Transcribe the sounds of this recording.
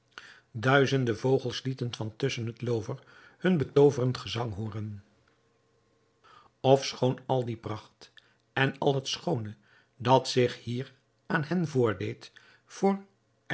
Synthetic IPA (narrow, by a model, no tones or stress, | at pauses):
dœɥzəndəvowχəlˠslitənvɑntɵsənɦətlowvəɹ | hɵnbətowvərəntχəzɑŋɦuːrən | ɔfsχownɑlˠdiprɑχt | ɛnɑ̰lˠɦətsχownə | dɑtsɪχhiːɹ | aːnɦɛnvʊːɹdejt | fʊːɹ